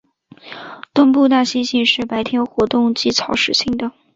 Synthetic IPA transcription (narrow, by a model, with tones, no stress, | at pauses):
t̪ʊ˥˧ŋpu˥˧t̪a˥˩ɕi˥nɕi˥˧nʂɻ̩˥˩pa˧˥ɪt̪ʰjɛ˥nxwɔ˧˥t̪ʊ˥˧ŋt͡ɕi˥˩t͡sʰɑ˧˥ʊʂɻ̩˨˩ɕʰi˥ŋd̪ə˨